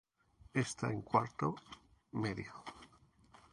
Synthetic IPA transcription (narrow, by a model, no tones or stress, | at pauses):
est̪aeŋkwaɾt̪omeðjo